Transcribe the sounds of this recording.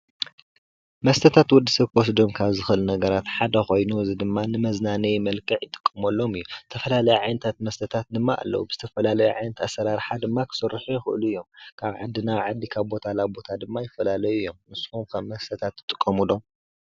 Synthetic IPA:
mɐst̪ʰɐt̪ʰat̪wɔd̪ːisɐβkʰwɔs̬d̪o̞mkʰaβzɨxɨʔɨlunɐɡɐɾat̪ħad̪ɐxo̞jnuzid̪ɨmːanɨmɐznanɐjmɐlkʰʼɨʕjɪt̪ʼɨ̥kʼːɨmɐlːo̞mɨjːuzɨt̪ʰɐfɐlalɐjuʕajnɐt̪ʰat̪̚mɐst̪ʰɐt̪ʰat̪̚d̪ɨmːaʔa̰lːɐ̰wubɨz̥ɨt̪ʰɐfɐlalɐjuʕajnɐt̪ʰasːɐɾaɾħad̪ɨmːakʰɨ̥sɨrːɨħujɛxɨʔɨlujːo̞mkʰaβʕa̰d̪ːinaβʕad̪ːikʰaβbo̞t̪ʰalabo̞t̪ʰad̪ɨmːajɪfːɐlalɐjuɨjːo̞mnɨshumkʰaβmɐst̪ʰɐt̪ʰat̪ːɨt̪ʼɨkʼːɐmulo̞m

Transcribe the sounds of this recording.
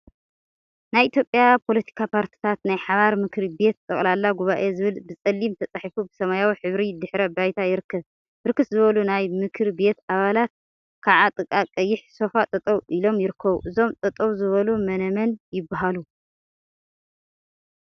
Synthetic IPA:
najʔit̪ʰjo̞pʼːjapʰo̞lɐt̪ʰi̥kʰapʰaɾt̪ʰi̥t̪ʰat̪najħaβaɾmɨkʰɾibe̞t̪̚t̪ʼːɐχʼlalːaɡuβaʔezɨβɨlbɨt͡sʼɐlːimt̪ʰɐt͡sʼaħifubɨsɐmajawiħɨβɾid̪ɨħɾɐbajt̪ʰajɪɾɨkʰːɐβ | bɨɾɨkːɨszɨβɐlunajmɨkʰɾibe̞t̪aβalat̪̚ | kʰaʕat̪ʼɨkʼakʼɐjːɪħso̞fat̪ʼɐt̪ʼɐβʔilo̞mjɪɾɨkʰːɐβuʔɨzo̞mt̪ʼɐt̪ʼɐβzɨβɐlumɐnɐmɐnjɪbːaɦalu

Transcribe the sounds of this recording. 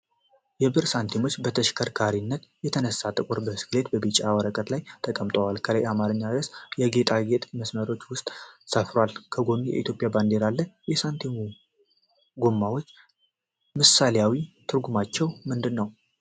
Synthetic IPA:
jɛbɨɾsant̪ʰemo̞t͡ʃːbət̪ʰəʃɪ̥kʰəɾkʰaɾinːət̪jɛt̪ʰənəsːat̪ʼɨkʼuɾbəsɨ̥kle̞t̪bəbit͡ʃʼːawəɾəkʼət̪lajt̪ʰəkʼəmt̪ʼəwalkʰələjamaɾɨɲːaɾəsjɛɡe̞t̪ʼaɡe̞t̪ʼməsməɾo̞t͡ʃːwʊst̪ʼsəfɾalkʰəɡo̞mːijɛ̰ʔḭt̪ʰjo̞pʼjaband̪e̞ɾalːəjɛsant̪ʰenu | ɡomːawo̞t͡ʃː | mɨsalejawit̪ʰɨɾɡumat͡ʃːɛwmɨnd̪ɨnːəw

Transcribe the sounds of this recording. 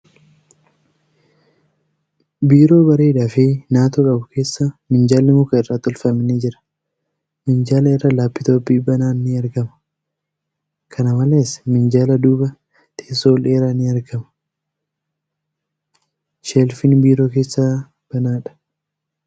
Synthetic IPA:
biːɾo̞ːbɐɾeːᶑafenaːt̪oːkʼɐbʊkʰe̞ːsːamɪnd͡ʒaːlːɪmʊkɐɪrːaːt̪ːɔlfɐmɪnɪd͡ʒɪɾɐ̥ | mɪnd͡ʒaːlɐɪrːɐlaːpːɪt̪oːbiːbɐnaːnːɪɐɾɡɐmɐ̥ | kʰɐnɐmɐleːsmɪnd͡ʒaːlɐd̪uːbɐ | t̪ʰeːsoːleːɾaːnɪɐɾɡɐmɐ̥ | ʃelfɪnbiːɾo̞ːke̞ːsːa | b̥ɐnaːᶑɐ̥

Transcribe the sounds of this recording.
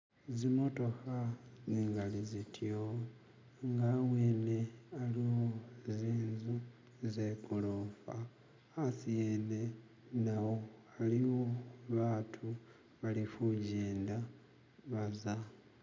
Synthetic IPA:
zimo̞to̞xaziːŋɡalizitʰjo | ŋɡawweːne̞aliwoziːnzu | zekuloːfaː | sijeðe̞ | nawo̞ | aliwoβaːtʰu | βalifuɟeːnda | βaza

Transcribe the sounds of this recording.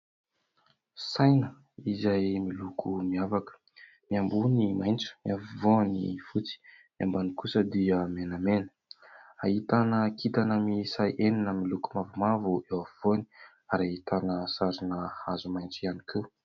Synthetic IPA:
sajnə | izajmilukʰumiavakə̥ | miambunimajnt͡su̥miavuvoanḭfut͡si̥ | miambanikusəd̪iəmenamenə̥ | ait̪anəkit̪anəmisajʔeninəmilukumavumavuewavv̥oni̥ | aɾait̪anəsaɾinəhazumajnt͡sianikʰe

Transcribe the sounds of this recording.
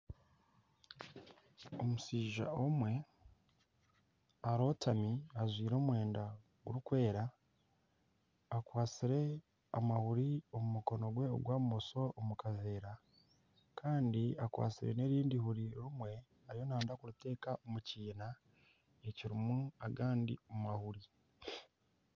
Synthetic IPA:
omusiːʒa̰omwe̞ | aɾo̞ːtamiazwiːɾo̞ːmwe̞ːnda | ɡuɾukwe̞ːɾa | kwaːt͡siɾe̞ | amahuɾiomumuko̞no̞ɡwe̞o̰ɡwaːmumoso̞ʔomukave̞ːɾa | kʰaːndiakwa̰ːt͡siɾe̞̰ne̞ɾiːndihuɾiɾumwe̞ | aɾijonaːndakuɾute̞ːkaomuciːna | eciɾimuaɡaːndḭomahuɾi

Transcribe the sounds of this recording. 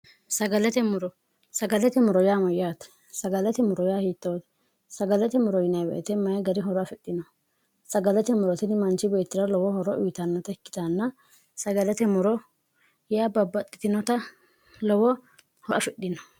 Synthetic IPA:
sɐɡɐlɛt̪ɛmʊɾɔ | sɐɡɐlɛt̪ɛmʊɾɔjaːmɔjaːt̪ | sɐɡɐlɛt̪ɛmʊɾɔjaːhiːt̪ːɐwt̪ | sɐɡɐlɛt̪ɛmʊɾɔjɪnɐjbɛ̰ʔɛt̪ɛmɐjɡɐɾɪɦɔɾɔɐfɛɗːɪnɔ | sɐɡɐlɛt̪ɛmʊɾɔt̪ɪnɪmɐnt͡ʃɪbeːt̪ːɪɾɐlɔwɔhɔɾɔʔʊːt̪ɐnːɐt̪ɐɪkːɪ̥t̪anːɐ | sɐɡɐlɛt̪ɛmʊɾɔ | jaːbɐbːɐt̪ʼːɪ̥t̪ɪnɔt̪ɐ | lɔwɔ | hɔʔɐfɛɗɪnɔ̥

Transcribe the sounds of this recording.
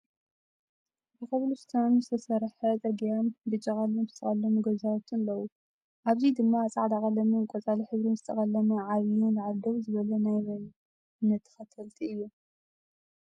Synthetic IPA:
bɨkɐβluzɨt̪ʰɐnzɨt̪ʰɐsɐɾħɐzʼɐɡijanbɨt͡ʃʼɐχʼalunzɨ̥t̪ʰɐχʼɐlɐmuɡɐzawt̪ʰɨnlɐwu | ʔaβzid̪ɨmːat͡sʼaʕd̪akʼɐlːɐmɨkʼɔt͡sʼaliħɨβɾinzɨt̪ʰɐ̰χʼɐlɐmɐʕaβiunzɨʕad̪ɐβzɨβɐlɐnajmɐ | nɐt̪ʰːɨ̥xɐt̪ʰɐlt̪ʰiɨjːu

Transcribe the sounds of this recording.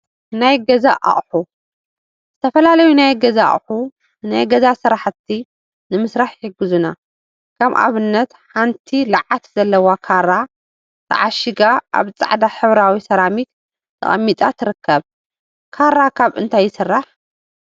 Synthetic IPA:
najɡɐzaʔa̰χʼħu | z̥ɨt̪ʰɐfɐlalɐjunajɡɐza̰χʼħu | najɡɐzasɨɾaħt̪ʰːi | nɨmɨsɾaħjɪɡɨzuna | kʰɐβʔa̰βɨnːɐt̪ħant̪ʰilɨʕat̪z̥ɐlːɐwakʰaɾa | t̪ʰɐ̰ʕaʃɨɡaʔa̰βt͡sʼa̰ʕd̪aħɨβɾawisɐɾamit̪ | t̪ʰɨ̰χʼɐ̰mːit̪ʼat̪ʰɨɾɨkʰːɐβ | kʰaɾakʰaβɨ̰nt̪ʰajːɪsɨrːaħ

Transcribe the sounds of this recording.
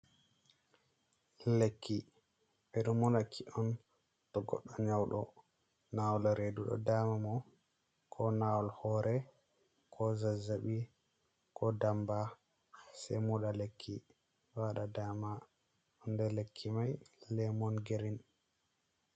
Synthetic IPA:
lekːi | ɓɛɗumɔnakʰːiʔɔn | tɔɡɔ̰ɗːɔɲawɗɔ̰ | nawɔlɾeduɗɔ̰daːmamɔ | kʰɔnawɔlhɔːɾʔɛ | kʰɔzazaɓi | kʰɔdamba | sɛ̰muɗalekʰːi | waɗadama | ʔɔndɛlekʰːimajlɛmɔnɡeɾin

